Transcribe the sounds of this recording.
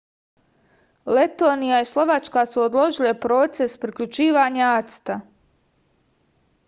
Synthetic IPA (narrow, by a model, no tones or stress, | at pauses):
le̞t̪o̞ːnijaislˠo̞ʋat͡ʃkasuod̪lˠo̞ʒilˠepɾo̞t̪se̞spɾikʎut͡ʃiːʋaɲaat̪st̪a